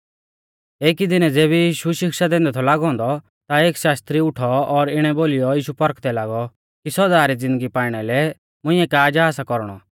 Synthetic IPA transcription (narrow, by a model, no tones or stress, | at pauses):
eːkid̪ɪnɛd͡zeːβɛjiːʃuʃɪkʃad̪ɛ̃ːnd̪ɛt̪ʰɔlaːɡɦɔ̃ːnd̪ɔ | t̪aeːkʃaːst̪ɾiʊʈʰɔɔɾɪɽ̃ɛboːlijɔjiːʃupɔɾkʰt̪ɛlaːɡɔ | kisɔdaːɾid͡zɪ̃nd̪əɡipaːɪɽ̃ɛlɛ | mʊ̃ɪ̃ɛkaːd͡ʒaːsakɔɾɽ̃ɔ̰